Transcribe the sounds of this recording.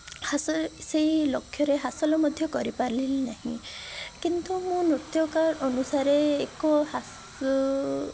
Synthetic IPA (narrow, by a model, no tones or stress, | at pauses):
hasɔsejlokʰːjɔɾeɦasɔlɔmɔd̪ʱjɔkɔɾipaɾlilinahḭ̃kint̪umũnut̪jɔkaɾɔnusaɾeːkohas